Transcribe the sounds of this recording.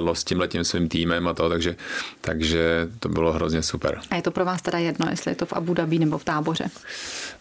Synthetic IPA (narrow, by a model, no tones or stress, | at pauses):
loscɪmlɛcimsvimt̪iːmɛmat̪oot̪aɡʒɛt̪aɡʒɛt̪obɪloɦɾozɲɛsupɛ̰ɾajɛt̪o̞pɾovaːst̪ɛdajɛdnojɛ̰st̪lɪ̰jɛ̰t̪ofʔa̰budaviːnɛbo̞ft̪aːbo̞r̝ɛ̰